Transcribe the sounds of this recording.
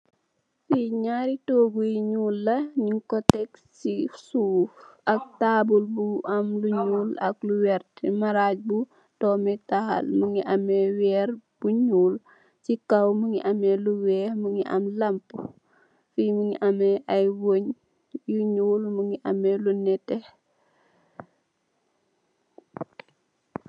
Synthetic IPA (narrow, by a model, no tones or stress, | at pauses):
fiɲaɾitoɡujiɲuːlːɐɲiŋkɔtɛksisuːfɐk̚taːbulbuɐmluɲuːlɐk̚luwɛrtmɐɾac̚bu | tɔːmɛtahɐ̰lməŋiʔɐmɛwɛːrb̥uɲuːl | sikɐwməŋiʔɐmɛluwɛməŋiʔɐ̰mlɐmpu | fiməŋiʔɐmɛʔɐjwoɲ | juɲuːlməŋiʔɐmɛlunɛtɛh